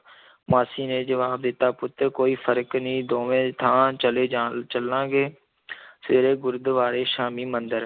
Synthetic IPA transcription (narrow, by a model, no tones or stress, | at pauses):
maːsiːneːd͡ʒəʋaːb̚d̪ɪt̪ːaːpʊt̪ːəkoːiːpʰəɾknĩːd̪oːʋẽːt̪ʰãːt͡ʃəleːd͡ʒat͡ʃəlãːɡeː | seːɾeːɡʊɾd̪ʋaːɾeːʃaːmiːmə̃nd̪əɾ